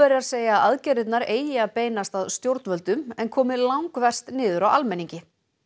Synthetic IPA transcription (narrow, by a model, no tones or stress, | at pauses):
ɛɾɪaðseːjaːaðcɛːɾɪt̪naɾeːjjɪaðpeːjnast̪aðst̪jowɾt̪vœlt̪ʏmɛnkʰɔːmɪlawŋkvɛr̥st̪nɪːðʏɾawalmɛniɲcɪ